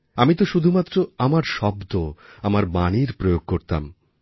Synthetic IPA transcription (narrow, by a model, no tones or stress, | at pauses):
amit̪oʃud̪ʱumat̪ːɾoamaɾʃɔbd̪oamaɾbaniɾpɾojoɡ̚koɾt̪a̰m